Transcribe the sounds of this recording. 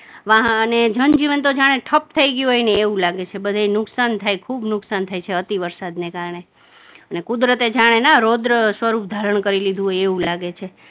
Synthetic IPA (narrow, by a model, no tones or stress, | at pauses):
ʋãɦəned͡ʒənd͡ʒiʋənt̪od͡ʒaɽ̃eʈʰəp̚t̪ʰəiɡjuɦojneːʋũlaɡet͡ʃʰebəd̪ʱainʊksant̪ʰajkʰubnʊksant̪ʰajt͡ʃʰeət̪iʋəɾsad̪nekaɾəɳe | ənekud̪ɾət̪ed͡ʒaɽ̃enaɾod̪ɾəsʋəɾup̚d̪ʱaɾəɳ̃kəɾilid̪ʱuɦojeʋũlaɡet͡ʃʰe